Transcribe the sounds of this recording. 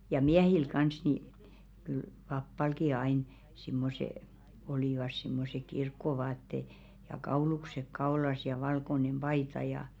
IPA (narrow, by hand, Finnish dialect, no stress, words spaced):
jɑ miɛhil kɑns ni kyl pɑpːɑlki ɑin simːose oliˑʋɑs simːose kirkːoʋɑːtːe jɑ kɑuluksek kɑolɑs jɑ ʋɑlkonem b̥ɑitɑ jɑ